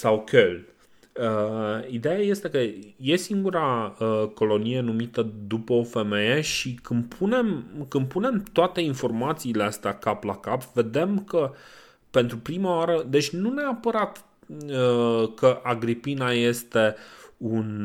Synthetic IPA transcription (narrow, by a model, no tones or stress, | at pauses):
sawkʰel | əid̪e̞jaje̞st̪e̞kəje̞siŋɡuɾaəko̞lo̞nije̞numit̪əd̪upəo̞fe̞me̞je̞ʃikɨnpʰune̞mkɨnpune̞mt̪oat̪e̞info̞rmat̪siːleast̪eakaplakapved̪e̞mkə | pe̞nt̪ɾupɾimaoaɾəd̪e̞t͡ʃʲnuneapəɾat̪ | əkəʔaɡɾipinaje̞st̪e̞un